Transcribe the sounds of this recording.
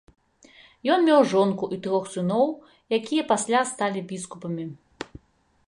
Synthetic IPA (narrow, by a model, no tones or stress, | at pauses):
jɔnmʲɛwʐɔnkuʔit̪ɾɔxsɨnɔw | jakʲijɐpasʲlʲast̪alʲibʲiskupɐmʲi